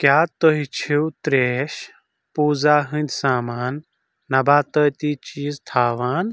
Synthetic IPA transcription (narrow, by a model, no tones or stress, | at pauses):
kjaːt̪əɦit͡ʃʰiwt̪ɾeːʃ | puːzaːɦɨ̃nʲd̪ʲsaːmaːnː | ɐbaːt̪əjt̪iːt͡ʃiːzt̪ʰaːʋaːn